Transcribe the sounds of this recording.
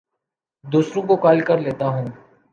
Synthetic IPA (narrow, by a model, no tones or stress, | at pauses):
d̪uːsɾõkokaːlkəɾleːt̪aɦũː